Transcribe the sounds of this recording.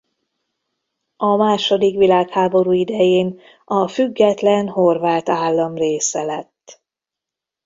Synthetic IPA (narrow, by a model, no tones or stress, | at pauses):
ɒmaːʃo̞d̪ikʋilaːkhaːbo̞ɾuːid̪ɛjeːn | ɒfyɡːɛt̪lɛnho̞rvaːt̪aːlːɒmreːsɛlɛt̪ː